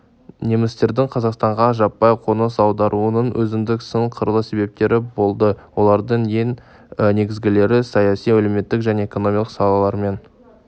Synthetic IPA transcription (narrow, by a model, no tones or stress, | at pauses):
ne̞mɪst̪e̞ɾd̪ɪŋqʰɑzɑqst̪ɑɴʁɑʒɑpːɑjqʰo̞nəsɑwd̪ɑɾʔuənəɴwʔɵzɪnd̪ɪksəɴqʰəɾəlˠəse̞βe̞p̚t̪e̞ɾɪbo̞lˠd̪əwo̞lˠɑɾd̪əɴje̞ŋ | ne̞ɡʲɪzɡʲɪle̞ɾɪsɑjɑsijæleme̞t̪ːɪkʒæne̞eko̞no̞mijɑlˠəq̪sɑlˠɑlˠɑɾme̞n